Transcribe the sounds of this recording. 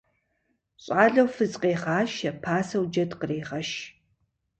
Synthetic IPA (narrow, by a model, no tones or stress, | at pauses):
ɕʼaːɮɐwfɨzqeːχaːʃɐpʰaːsɐwd͡ʒɐdqəreːʁɐʃ